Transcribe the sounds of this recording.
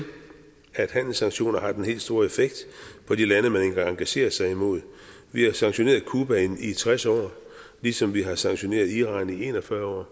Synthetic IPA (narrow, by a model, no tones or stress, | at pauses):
æd̥hæn̰l̩sɑ̈ŋɕo̝̰ːnɐɦɑ̈d̥enhe̝̰ːl̥sd̥o̝ɐe̝feɡ̥̚d̥pʰɒ̽d̥ilænəmæne̝ŋɡɑŋɑ̈ŋɡ̥æɕe̝̰ːɐsɑ̈ɪimo̝ð̞̰ˠ | ʋihɑ̈sɑ̈ŋɕo̝ne̝ːɐðˠkʰuːb̥æenit͡sʰʁasɒ̰ː | lisɒ̽mʋiɦɑ̈sɑ̈ŋɕo̝ne̝̰ːɐðˠiʁɑ̰̈ːnie̝nɒfɶɐɒ̰ː